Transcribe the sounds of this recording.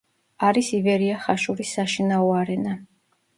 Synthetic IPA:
aɾisivɛɾiaχaʃuɾisːaʃinaɔaɾɛna

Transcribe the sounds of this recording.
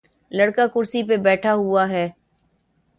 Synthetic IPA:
ləɽkakʊɾsipebɛːʈʰaɦʊaɦɛː

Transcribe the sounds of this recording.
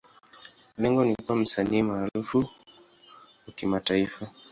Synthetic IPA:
lɛŋɡɔnikuwam̩saniːmaːɾufu | wakimataifa

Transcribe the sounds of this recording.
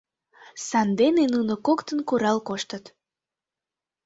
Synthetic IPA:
sɑnd̪enenunokokt̪ənkuɾɑlkoʃt̪ət̪

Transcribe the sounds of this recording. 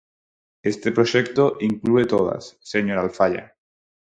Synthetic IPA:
est̪epɾoʃekt̪oʔiŋkluet̪oð̞a̰sːeɲoɾalfaʎa̰

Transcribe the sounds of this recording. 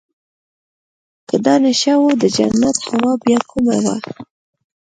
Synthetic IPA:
kəd̪ɑnaʃɑwod̪əd͡ʒa̰nːat̪hawɑbjɑkʰuma̰wa̰

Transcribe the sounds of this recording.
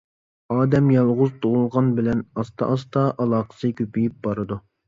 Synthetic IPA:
ɑːd̪ɛmjɑlˠʁʊzt̪ʰoʁʊlˠʁɑnbɪlɛnɑst̪ʰɑ̰ʔɑst̪ɑʔɑlˠɑːqʰə̥sɨkʲøpijip̚bɑɾɨd̪u

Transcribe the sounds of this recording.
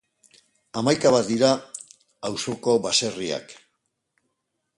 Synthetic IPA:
amajkaβat̪̚d̪iɾaː | wso̞ko̞βase̞ria̰k

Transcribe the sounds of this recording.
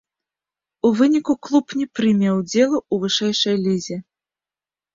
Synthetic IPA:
uvɨnʲikuklˠupnʲɛpɾɨmʲɛwd͡zʲɛlˠɐuvɨʂɛjʂɐjlʲizʲɛ

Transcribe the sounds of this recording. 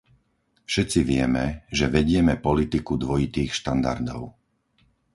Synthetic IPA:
fʃɛt̪t͡siʋɪɛmɛʒɛʋɛɟɪɛmɛpɔlit̪ikud̪ʋɔjit̪iːxʃt̪and̪a̰ɾd̪ɔ̰ʊ

